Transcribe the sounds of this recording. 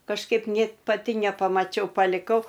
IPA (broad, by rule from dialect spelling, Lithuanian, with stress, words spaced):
kɐʃˈkɐɪp ˈnʲeːt pɐˈtʲɪ nʲɛpɐmɐˈt͡ʃʲɛʊ pɐlʲɪˈkɐʊ